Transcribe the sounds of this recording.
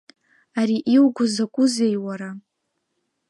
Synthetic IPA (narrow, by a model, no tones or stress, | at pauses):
aɾiʔiwɡʷʊzakʷʼʊzejwaɾa